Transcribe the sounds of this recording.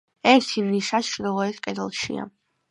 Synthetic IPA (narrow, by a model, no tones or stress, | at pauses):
ɛɾt̪ʰivniʃasʃɾɔɔɛskʼɛd̪ɛlˠʃḭa̰